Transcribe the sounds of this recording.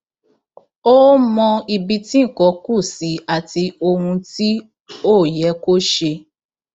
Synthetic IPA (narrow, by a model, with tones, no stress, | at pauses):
o˦mɔ̃˧i˧bi˧tĩ˦˨kɔ˨˧˦ku˦˨si˨˦a˨ti˧o˧hũ˧ti˦ | o˦˨jɛ˨˦ko˦ʃe˧